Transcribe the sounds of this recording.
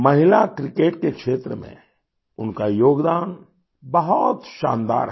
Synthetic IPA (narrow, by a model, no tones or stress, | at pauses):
mɐɦɪlakɾɪkeːʈkekʃeːt̪ɾəmḛ̃ | ʊnkajoːɡd̪aːn | bɐɦɔt̪ʃã̰ːnd̪a̰ːɾ